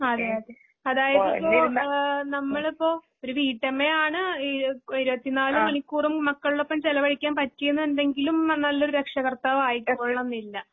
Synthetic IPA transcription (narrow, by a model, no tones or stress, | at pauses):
ɐðe | ɐðaːjɐðipːoonɐmːɐɭipːo̞ː | oɾuʋiːʈːɐmːeaːɳɨ | iɾubɐt̪ːinaːlukɐɳikʲːuːrummɐkːɐɭuɭo̞pːɐmt͡ɕelɐʋɐɭikʲːaːnpɐtːijunːɨenɖeŋɡilumnɐlːo̞ɾuɾekʂɐɣɐrt̪ːaːʋaːjikʲːumoːɭɐnːilːɐ